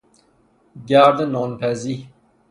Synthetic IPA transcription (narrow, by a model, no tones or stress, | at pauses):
ɡaːɾd̪enoːnpʰæzi